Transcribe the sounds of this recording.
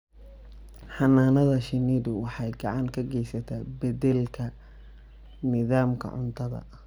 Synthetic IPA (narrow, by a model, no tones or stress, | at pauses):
ħɑnaːnɐðɐʃɪniːdʊwɑħɑjɡɑʕɑŋkʰɐɡɛjsɐt̪ʰaːbɐd̪ɛlkʰɐ | nɪðaːmkʰɐ̰ʕʊ̰nt̪ʰɐðɐ̰